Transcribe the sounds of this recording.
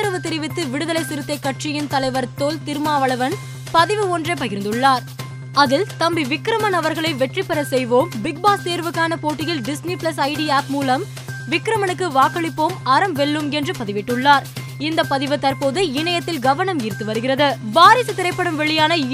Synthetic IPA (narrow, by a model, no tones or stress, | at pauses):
ɐɾɐʋɯt̪ɪɾɪʋɪt̪ːɯʋɪɽɯðɐlɐɪsɪɾɯt̪ːɐɪkːɐʈʂɪjɪnt̪ɐlɐɪʋɐɾt̪oːlt̪ɪɾɯmaːʋɐɭɐʋɐn | pɐðɪʋɯoːndrɐpɐɣɪɾɯnd̪ɯɭːaːɾ | ɐðɪlt̪ɐmbiʋɪkɾɐmɐnɐʋɐɾɣɐɭɐɪʋɛʈripːɐɾɐsɛjʋoːmbɪɡ̚baːst̪eːɾʋɯkːaːnɐpoːʈːɪjɪlɖɪsnipɪɭɐsɐɪɖiaːpmuːlɐm | ʋɪkːɾɐmɐnɯkːɯʋaːkɐɭɪpːoːmɐɾɐmʋɛɭːɯmɛndrɯpɐðɪʋɪʈːɯɭːaːɾ | ɪnd̪ɐpːɐðɪʋɯt̪ːɐɾpoːðɯɪɳɐjɐt̪ːɪlɡɐʋɐɳɐmɪːɾt̪ːɯʋɐɾɯɣɪrɐðɯbaːɾɪsɯt̪ɪɾɐɪpːɐɽɯmʋɛɭɪjaːnɐ